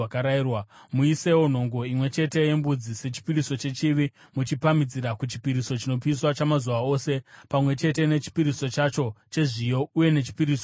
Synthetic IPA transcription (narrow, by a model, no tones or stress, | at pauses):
akaɾairwamuise̞wo̞n̤o̞ŋɡo̞imwe̞t͡ʃe̞te̞je̞mbud͡zise̞t͡ʃi̥piɾiso̞t͡ʃe̞t͡ʃiʋi | mut͡ʃipamid͡ziɾakut͡ʃi̥piɾiso̞t͡ʃino̞piiswat͡ʃamazuʋao̞ːse̞pamwe̞t͡ʃe̞te̞ne̞t͡ʃi̥piɾiso̞t͡ʃat͡ʃo̞t͡ʃe̞ʐijo̞uje̞ne̞t͡ʃi̥piɾiːso